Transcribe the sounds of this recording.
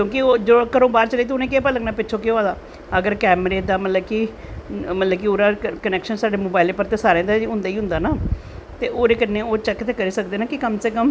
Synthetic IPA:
kõːkioːd͡ʒoːkəɾõːbaːɾt͡ʃəleːt̪eʊnẽːkeːpələɡnaːpɪtːt͡ʃʰoːkeoaːd̪aː | əɡəɾkɛːmɾeːd̪aːmət̪ləbki | mət̪ləbkioːɾaːkənɛːkʃənsaːɖeːmoːbaːɪleːpəɾt̪eːsaːɾẽãːd̪aːɦʊ̃nd̪aːiːɦʊ̃nd̪aːnaː | t̪eːʔoːɾeːkənːeːoːt͡ʃɛːkːt̪eːkəɾiːsək̚d̪eːnaːkɪkəmseːkəm

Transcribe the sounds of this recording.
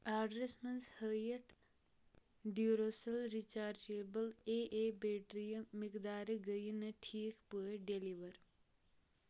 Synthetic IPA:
aːɖɾesmɐnzhəjɐt̪ | ɖuɾoːsɐlɾit͡ʃaːɾt͡ʃeːbɐleːʔeːbeːʈɾijɐmikd̪aːɾɨɡəjinɐʈʰiːkpəeɖeliʋɐɾ

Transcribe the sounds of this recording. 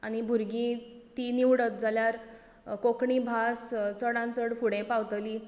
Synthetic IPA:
aɽ̃ibʱuɾɡĩt̪iniʋɽət̪̚d͡zʱaljaɾ | kokɳibʱast͡səɽãnt͡səɽfuɽɛ̃pawt̪liː

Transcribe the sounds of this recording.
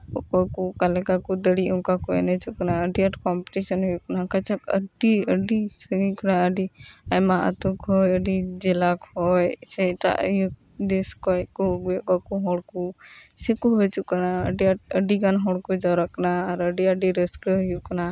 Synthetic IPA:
ɔkɔkukalɛkakud̪əɽiuŋkakuɛ̰nɛt͡ʃukanaəɖiaʈkɔmpi̥ʈisɔnɦɔjukanakat͡ʃʰakəɖiəɖisəɡikanaəɖiajmaʔə̰t̪ukɦɔjəɖid͡ʒɛlakɔjsɛʈa̰ʔjuk̚ | d̪eskɔjkuɡujɔkɔkuɦɔɽkusɛkuɦɔjt͡ʃuʔkanaəɖiaʈ̚əɖikanɦɔɽkud͡ʒawɾakanaːɾəɖiəɖiɾəskəɦɔjukana

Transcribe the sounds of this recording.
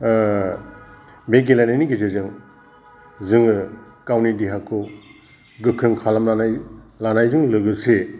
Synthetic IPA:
beɡ̬ilajnaniɡizezɯŋ | zɯŋɯkawnidiɦakʰɯ | ɡɯkʰɯŋkʰalamlanajlanajzɯŋlɯɡɯse

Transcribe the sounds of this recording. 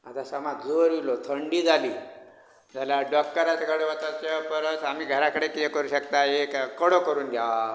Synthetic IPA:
at̪asəmad͡zoɾʋilot̪ʰəɳɖiːd͡zʱaliː | d͡zʱaljaɖɔk̚ʈəɾat͡sɡʱəɽʋət̪at͡sepəɾət͡sam̤iːɡʱəɾakəɽekijekəɾuːɕəkt̪aekkəɽokəɾuːnɡ̪ʱjaʋa

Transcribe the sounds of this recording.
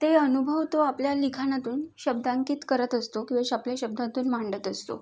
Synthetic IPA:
t̪eənubʱəʋt̪oapljalikʰañat̪uːnɕəb̚d̪aŋkiːt̪kəɾət̪əst̪okĩw̃ʋaɕapljaɕəb̚d̪ʱãt̪uːnmaɳɖət̪əst̪o̰

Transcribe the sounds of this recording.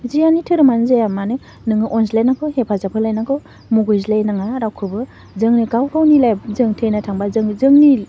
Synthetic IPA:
zijanitʰɯɾɯmanzajamanɯ | nɯŋɯʔɔnslajnakʰɯhepʰazapʰɯlajnakʰɯ | muɡɯjzlajnaŋaɾawkʰɯbɯ | zɯŋnɯɡawɡawnilajbzɯŋtʰɯjnatʰaŋbazɯŋzɯŋni

